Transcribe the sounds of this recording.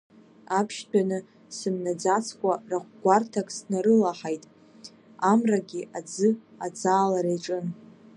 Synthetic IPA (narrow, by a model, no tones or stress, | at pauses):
apʰʃdanɨ | sɨmnad͡zat͡sʰkʷʼaraχʷɡʷartʰakʼsnaɾɨlaħajtʼ | amraɡʲiʔad͡zɨ | ad͡zaːlaɾejʈ͡ʂʼɨn